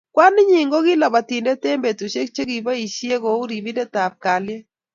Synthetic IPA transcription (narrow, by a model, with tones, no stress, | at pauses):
kwa˦nɪ˦ɲi˨ŋɡo˦ɡɪ˦la˨ba˨ti˨nde˦te˦mbe˨tu˨ʃe˦k̚t͡ʃe˦ki˨ba˦i˨ʃje˦ko˨u˦ɾi˨bi˦de˦ta˨p̚ka˨lje˦